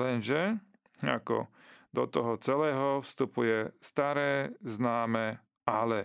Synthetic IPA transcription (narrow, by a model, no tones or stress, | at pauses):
lɛnʒɛ | a̰kɔ̰d̪ɔt̪ɔɦɔt͡sɛlɛːɦɔfst̪upujɛst̪aɾɛːznaːmɛ | alɛ